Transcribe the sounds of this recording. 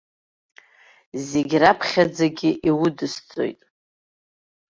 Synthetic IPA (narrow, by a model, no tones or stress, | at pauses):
zeɡʲrapʰχʲad͡zaɡʲɪʔiwʊdɨst͡sʼo̞̰jtʼ